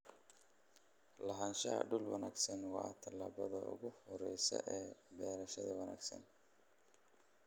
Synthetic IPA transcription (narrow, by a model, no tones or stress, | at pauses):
lɐɦaːnʃɐɐ̰ɖʊlwɑnaːɡsɐnwɑːt̪ʰɐlaːβɐðɐʊ̰ɣʊhɔɾɛjsɐ̰ʔɛːbɛːɾɐʃɐðɐwɑna̰ːɡsɐ̰n